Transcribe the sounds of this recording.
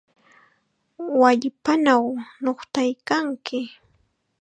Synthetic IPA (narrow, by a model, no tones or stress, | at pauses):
waʎpanawnoχt̪ajkaŋkɪ